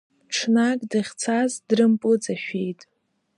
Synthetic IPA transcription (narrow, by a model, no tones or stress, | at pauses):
ʈ͡ʂʰnakʼdɨχʲt͡sʰazdrɨmpʼʊd͡zaʃᶣejtʼ